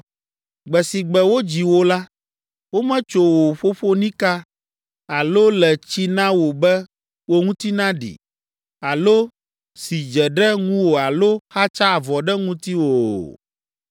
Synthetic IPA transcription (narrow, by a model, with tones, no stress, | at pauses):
ɡ͡bɛ˨si˨ɡ͡bɛ˨wo˦d͡ʑi˨wo˦la˦ | wo˦mɛ̃˦t͡ʃo˨wo˨ɸo˦ɸo˦nĩ˦ka˦ | a˨lo˦lɛ˨t͡ɕi˦nã˦wo˨bɛ˦ | wo˦ŋũ˦t̪i˦nã˦ɖḭ˨ | a˨lo˦ | si˨d͡ʒɛ˨ɖɛ˦ŋũ˦wo˨a˨lo˦xa˦t͡ʃa˦˨vɔ˨ɖɛ˦ŋũ˦t̪i˦wo˨